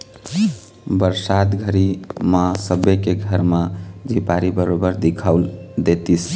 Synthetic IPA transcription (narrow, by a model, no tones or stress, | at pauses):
bəɾsat̪ɡʱəɾimasəbekeɡʱəɾmad͡ʒʱipaɾibəɾobəɾd̪ikʰaʊld̪et̪is